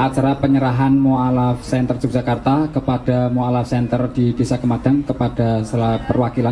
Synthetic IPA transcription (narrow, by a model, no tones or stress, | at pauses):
ʔat͡ʃaɾapəɲəɾaɦanmoalafsɛnt̪ərd͡ʒuk̚d͡ʒ̥akart̪akəpad̥amoalafsɛnt̪ərdidesakəmad̥aŋkəpad̥asəlapərwakilan